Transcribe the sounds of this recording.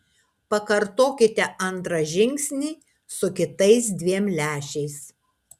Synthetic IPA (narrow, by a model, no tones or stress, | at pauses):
pɐkɐɾt̪oːkʲɪt̪ʲɛʔɐnˑt̪ɾɐʒʲɪŋʲksʲnʲiː | sʊkʲɪt̪ɐɪs̬d̪ʲʋʲiɛmlʲæːʃʲɛɪs